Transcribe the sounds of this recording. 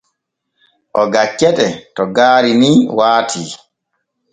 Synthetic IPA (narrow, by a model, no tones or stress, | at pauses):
ʔɔɡat͡ʃːɛɗɛtɔɡaːɾiniːwaːtʰiː